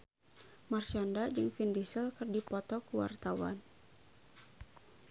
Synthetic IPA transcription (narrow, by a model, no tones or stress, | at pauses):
mart͡ʃandad͡ʒɨŋfindisəlkɨrdipɔt̪ɔkuwa̰rt̪awa̰n